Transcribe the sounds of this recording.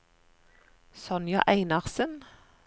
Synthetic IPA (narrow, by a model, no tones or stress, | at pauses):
sɔnjɑ̰ʔæɪnɑʁsən